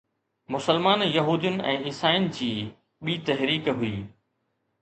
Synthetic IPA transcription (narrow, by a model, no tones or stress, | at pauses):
mʊsəlmaːnjɐɦuːd̪ijʊnɪ̆ʔɛ̃ːɪsaːjʊnɪ̆d͡ʑiː | ɓiːt̪ɐɦɾiːkɦʊiː